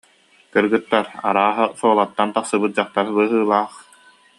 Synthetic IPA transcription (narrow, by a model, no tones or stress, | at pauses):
kɯɾɡɯt̪ːaɾa̰ɾaːɦasuɔlˠat̪ːant̪aχsɯbɯt̪̚d͡ʑaχt̪aɾbɯːɦɯːlˠaːχ